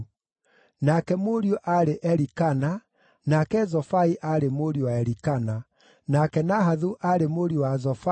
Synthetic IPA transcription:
nakɛmoɾiɔʔaɾeʔɛɾikana | nakɛzɔfaiʔaɾemoɾiowaɛɾikana | nakɛnaɦaðuʔaɾemoɾiwazɔfa

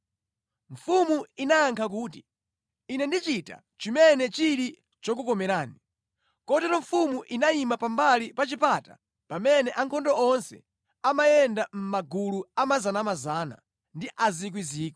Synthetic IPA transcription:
ɱ̩fumuinaaŋkʰak̬uːtiː | nɛndit͡ʃita̰ | t͡ʃimɛnɛt͡ʃiɾi | t͡ʃɔk̬ukɔmɛɾaːni | kɔtɛɾɔɱfumuʔinaimapambalipat͡ʃipata̰ | pamɛnɛʔaŋkʰɔndɔɔnsɛ̰ | amajɛndam̩maɡuluamazanamazaːna̰ | ndiʔazik̬wiziːkɔ̥

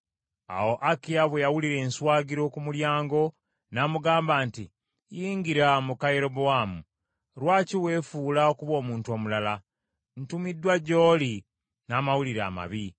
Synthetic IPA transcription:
a̰wo̞ʔakiaβwejawuliɾe̞ːnswaːɡiɾo̞kumuljaːŋɡo̞ | naːmuɡaːmbaːnti | jiːŋɡiɾamukaje̞ɾo̞boamu | ɾwaːciwe̞ːfuːlaokuβo̞ːmuːntuo̞ːmulala | n̩tumidːwaɟo̞ːli | naːmawuliɾa̰ːma̰βi

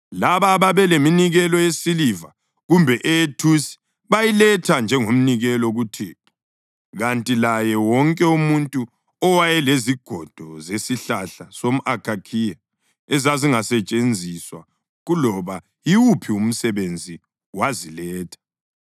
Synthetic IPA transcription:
laβaβaβɛleminiɣɛlɔjesiliva | ɣumbʱɛʔɛjetʰusi̥ | βajilɛtʰand͡ʒʱɛŋom̩niɣɛlɔɣutʰiːpʰɔ | ɣantʼilajɛwɔŋkʼɛumuntʼu | ɔwajɛleziɡ̥ʱɔd̥ʱɔzesiɬaɬasom̩ʔakʰʼakʰija | ɛzaziŋasɛt͡ʃʼend͡zʱiswa̰ | ɣulɔβa | iwupʰium̩sɛβend͡zʱi | wazilɛːtʰḁ

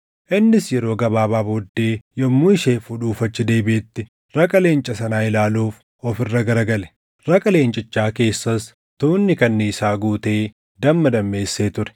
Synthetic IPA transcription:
ʔɪnːɪsjɛɾo̞ːɡɐbaːbaːbod̪ːe̞ːjɔmːuːɪʃeːfʊᶑuːfɐt͡ʃːɪd̪e̞ːbeːt̪ːɪ | ɾɐkʼɐle̞ːnt͡ʃʼɐsɐnaːɪlaːluːf | ɔfɪrːɐɡɐɾɐɡɐlɛ̥ | ɾɐkʼɐle̞ːnt͡ʃʼɪt͡ʃːaːke̞ːsːɐs | t̪uːnːɪkɐnːiːsaːɡuːt̪e̞ː | d̪ɐmːɐd̪ɐmːe̞ːsːeːt̪ʊɾɛ̥

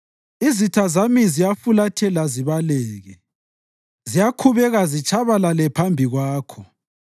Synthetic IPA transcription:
izitʰazamizijafulatʰɛlaziβalɛːɣɛ | zijakʰuβɛɣazit͡ʃʰʼaβalalɛpʰambʱiɣwaːkʰɔ

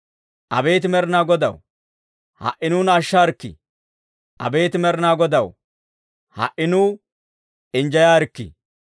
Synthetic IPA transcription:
ʔɐbe̞ːt̪ɪmɛɾɪnaːɡɔd̪ɐw | hɐ̰ʔːɪnuːnɐʃːaɾkːɪ̰ | ʔɐ̰beːt̪ɪmɛɾɪnaːɡɔd̪ɐw | hɐ̰ʔɪnuː | ɪnd͡ʒɐjaːɾkːḭ

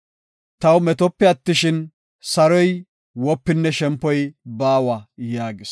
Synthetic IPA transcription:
t̪ɐwmɛt̪ɔpːɛɐt̪ːɪʃɪn | sɐɾɔj | wɔpːɪnːɛʃɛmpːɔjbaːwɐjaːɡɪs

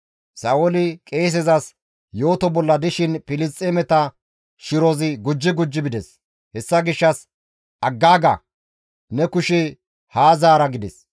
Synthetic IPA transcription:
sɐʔolɪkʼe̞ːs̬ɛzɐs | jo̞ːt̪ɔbɔlːɐd̪ɪʃɪnpɪlɪs̬t̪ʼːemɛt̪ɐ | ʃɪɾoːzɪɡʊd͡ʒːɪɡʊd͡ʒːɪbɪd̪ɛs | hɛsːɐɡɪʃːɐs | ʔɐɡːaːɡɐ̰ | nɛkʊʃɛ | haːzaːɾɐɡɪd̪ɛs

